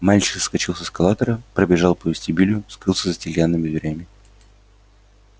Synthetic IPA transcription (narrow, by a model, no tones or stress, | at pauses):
malʲt͡ɕɪ̥kskɐt͡ɕilˠsəskɐlˠat̪əɾəpɾəbʲɪʐɑlˠpəvʲɪsʲtʲibʲilʲjʊskɾɨlˠsʲəzətʲɪlʲjanːɨmʲɪd̪vʲɪɾʲamʲɪ